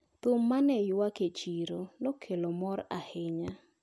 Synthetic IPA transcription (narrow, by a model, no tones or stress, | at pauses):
t̪ʊmːanɛjwaket͡ʃiɾonɔkʰelɔmɔɾa̰hɪɲa